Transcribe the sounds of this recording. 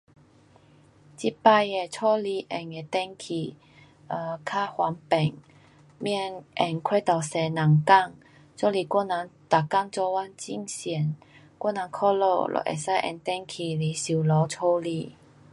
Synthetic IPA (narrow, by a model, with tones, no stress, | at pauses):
t͡ɕi˦˥pa˥˧je˨t͡sʰɔ˦li˧ʔɛ˨˩ŋe˨˩t̪ɛ˦ŋkʰi˨˩ | ə˨˧kʰa˥˧˩hwa˨˦npɛ˨˩ŋ | mjɛ˥˧nʔɛ˨˩ŋkʰwe˥˧t̪ɔ˨˩wsɛ˨˧nã˨˩ŋka˥˧˨ŋ | t͡sɔ˥li˨˩kwɔ˥˨nã˨˦ŋt̪a˨ka˥˧ŋt͡sɔ˧wa˥˨nt͡ɕḭ˧˨ŋsɛ˨˩˦n | kwɔ˥˩nã˨˦ŋkʰɔ˥˧lɔ̰˧lʔɔ̰˨˩ʔḛ˨˩sa˥˧˨ʔɛ̰˧˨ŋt̪ɛ˥˦ŋkʰi˨˩li˨˦si˨˩˨lɔ˨˦t͡sʰo˥˦li˧